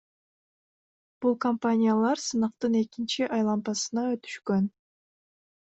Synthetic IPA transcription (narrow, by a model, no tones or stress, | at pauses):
b̥ulˠkɐmpanʲijalˠɑɾsɯnɑqt̪ɯne̞kint͡ʃiʔɑjlˠɑmpɑsɯnɑøt̪y̥ʃkøn